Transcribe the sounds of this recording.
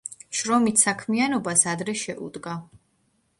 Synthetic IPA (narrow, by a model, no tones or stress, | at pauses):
ʃɾɔmit̪sakʰmianɔbasad̪ɾɛʃɛʔṵd̪ɡa